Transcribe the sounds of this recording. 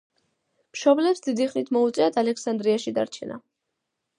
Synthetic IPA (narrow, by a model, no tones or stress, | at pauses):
mʃɔblɛpsd̪id̪iχlit̪ʰmɔut̪sʼiat̪ʰalɛksand̪ɾiaʃid̪aɾt͡ʃʰɛna̰